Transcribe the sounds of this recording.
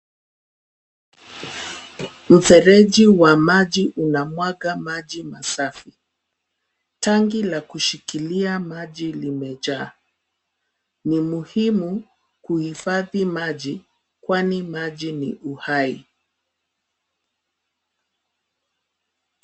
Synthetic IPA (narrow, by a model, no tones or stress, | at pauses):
m̩fɛɾɛʄiwamaʄiʔunamwaɡamaʄimasafi | taŋɡilakuʃikiliamaʄilimɛʄaː | nimuhimu | kuhifaðimaʄi | kwanimaʄinḭʔuhai